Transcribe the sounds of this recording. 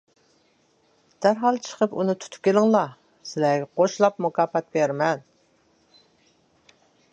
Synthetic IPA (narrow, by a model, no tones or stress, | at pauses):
d̪̥æɾɦɑlˠt͡ʃʰə̥qʰəpunɨt̪ʰu̥t̪ʰʊ̥p̚kʲelɪŋlˠɑ | sɪlæɡʲɛqʰoʃlˠɑp̚mukɑːfɛt̪̚beɾmɛn